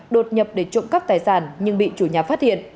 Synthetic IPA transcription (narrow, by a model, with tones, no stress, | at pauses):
ɗo˨˩t̚ɲə˨˩p̚ɗe˧˩t͡ɕʊ̰˧˨ŋ͡mkə˦˥p̚t̪aː˨˩jsaː˧˩nɲɨ˧ŋɓḭ˧˨t͡ɕu˧˩ɲaː˨˩faː˦˥t̚hḭ˧˨ənʔ